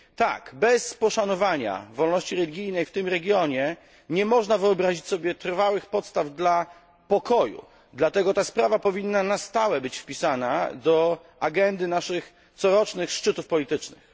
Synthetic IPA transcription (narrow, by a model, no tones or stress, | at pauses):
t̪a̰kbɛspɔʂanɔvaɲa̰vɔlnɔɕt͡ɕiɾɛlʲiɡʲijnɛjft̪ɘmɾɛɡʲjɔɲɛ | ɲɛmɔʐnavɘɔbɾaʑit͡ɕsɔbʲjɛt̪ɾfawɘxpɔt̪st̪avd̪la | pɔkɔjṵ | d̪lat̪ɛɡɔt̪aspɾavapɔvʲinːanast̪awɛbɘt͡ɕfpʲisanad̪ɔ | aɡɛnd̪ɘnaʂɘx | t̪sɔɾɔt͡ʂnɘxʂt͡ʂɘt̪ufpɔlʲit̪ɘt͡ʂnɘ̰x